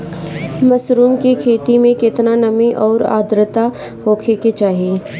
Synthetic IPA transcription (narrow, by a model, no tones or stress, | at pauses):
mɐsɾuːmkikʰeːt̪imẽkɪt̪nanɐmiʔɔːɾa̰ːd̪ɾət̪a | hoːkʰeket͡ʃaːɦieː